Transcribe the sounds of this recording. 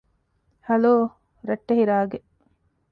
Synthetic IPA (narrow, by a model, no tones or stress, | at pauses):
hɐloː | ɾɐʈːehiɾaːɡe